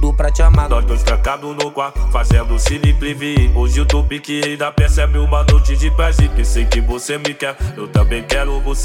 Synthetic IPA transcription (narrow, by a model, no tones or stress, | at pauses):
d̪ʊpɾɐt͡ʃamanɔzvɐ̃sk̪ɐ̃kad̪ʊnokwafazẽnd̪ʊsinipɾivĩʊzut̪ubikɪẽd̪apesɛbɪũmɐnojt͡ʃɪd͡ʒɪpɛzikesẽjkɪvosemɪkɛɾewt̪ɐ̃bẽj̃kɛɾʊvos